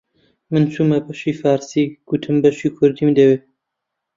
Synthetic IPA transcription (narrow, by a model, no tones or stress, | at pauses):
mɨnt͡ʃʰumɐbɐʃiːfɑːɾsiːɡ̥ut̪ʰɨmbɐʃiːkʰʊɾd̪iːmd̪ɐweː